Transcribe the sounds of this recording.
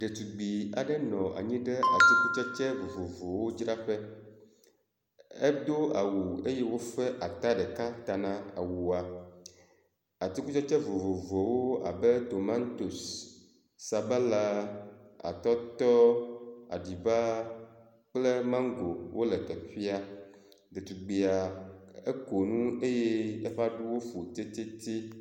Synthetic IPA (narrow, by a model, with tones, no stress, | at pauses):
ɖe˨t̪u˨ɡ͡bi˨a̰˨ɖɛ˦nɔ̃˨ʔa̰˨ɲĩ˦ɖɛ˦ʔa˨t̪i˦ku˦t͡ʃɔ˦t͡ʃɛ˦vo˨vo˨vo˨wo˦d͡ʒɾa˦ɸɛ˦ | ɛ˦d̪o˦a˨wu˨e˦jɛ˦wo˦fɛ˦ʔa˨t̪a˦ɖɛ˨ka˦t̪a˨nã˦a̰˨wu˨a˨ | a˨t̪i˦ku˦t͡ʃɔ˦t͡ʃɛ˦vo˨vo˨vo˨wo˦a̰˨bɛ˦t̪o˨mã˦nt̪o˨sː | a˨bɛ˦la˦ | a̰˨t̪ɔ˦t̪ɔ˦a̰˨ɖi˨ba˦ | k͡ple˦mã˦ŋ˦ɡo˨wʔo˦lɛ˨t̪ɛ˨ɸi˦a˦ | d̪e˨t̪u˨ɡ͡be˨a˨e˦ko˨nũ˦e˦je˦e˦ɸa˦ɖu˦wo˦fu˨t̪e˦t̪e˦t̪i˦